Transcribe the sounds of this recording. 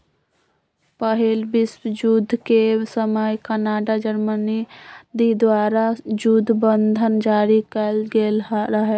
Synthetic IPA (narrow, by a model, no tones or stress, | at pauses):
pəɦilbɪswəd͡ʒud̪ʱkesəməjkənaːɖad͡ʒəɾmənid̪id̪waɾad͡ʒud̪ʱbənd̪ʱənd͡ʒaːɾikəlɡelɦɾəɦɛ